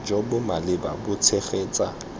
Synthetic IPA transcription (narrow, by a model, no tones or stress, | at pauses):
d͡ʒobʊmalɪba̰bʊt͡sʰeχeːt͡sʼa